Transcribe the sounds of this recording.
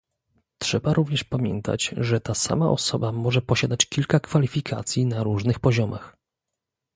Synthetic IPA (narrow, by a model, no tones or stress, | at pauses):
tʂɛbaɾuvɲɛʂpamʲjɛ̰nt̪a̰t͡ɕʐɛt̪asa̰ma̰ʔɔ̰sɔbamɔʐɛpɔɕad̪at͡ɕkʲilkakfalʲifʲikʰa̰t̪sʲjinaɾuʐnɘxpɔʑɔmax